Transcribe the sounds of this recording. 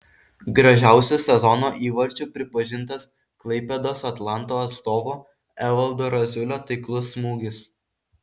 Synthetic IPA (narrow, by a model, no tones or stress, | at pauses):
ɡɾɐʒʲæˑʊsʲʊsʲɛzɔnoːʔiːʋɐɾʲt͡ʃʲupʲɾʲɪpɐʒʲɪnˑt̪ɐs | klˠɐɪpʲɛd̪oːsɐt̪lˠɑnt̪oːɐt̪st̪oːʋoː | ɛʋɐlˠd̪oːɾɐzʲʊlʲoːt̪ɐɪklˠʊsːmuːɡʲɪs